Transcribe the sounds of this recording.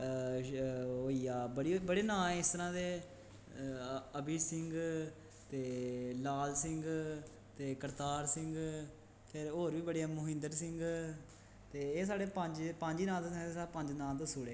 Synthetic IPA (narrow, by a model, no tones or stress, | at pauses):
ɦoːiːaːbəɽiːbəɽeːnãːɪst̪əɾãːd̪eː | əbiːsɪŋɡ | t̪eːlaːlsɪŋɡ | t̪eːkəɾt̪aːɾsɪ̃ŋɡ | pʰɪɾoːɾʋiːbəɽeːmʊɦɪ̃nd̪əɾsɪ̃ŋɡ | t̪eːeːs̬aːɽeːpəɲd͡ʒpə̃ːɲd͡ʒiːnãːt̪eːsesaːpə̃ɲd͡ʒnãːt̪esuːɽeː